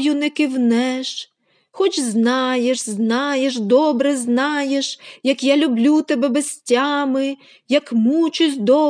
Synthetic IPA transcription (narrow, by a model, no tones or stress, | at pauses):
jʊnɛkɪwnɛʃ | xɔt͡ʃznɑjeʃznɑjeʃd̪ɔbɾɛznɑjeʃjɐkjalʲʊblʲut̪ɛbɛbɐsʲtʲːamɪ | jɐkmut͡ʃʊzʲd̪ɔ